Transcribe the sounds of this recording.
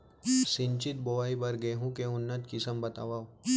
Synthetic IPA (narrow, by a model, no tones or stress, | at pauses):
sɪ̃nt͡ʃɪt̪̚boʋaːibəɾɡeɦũkeʊnːət̪kɪsəmbət̪a̰ʋaːw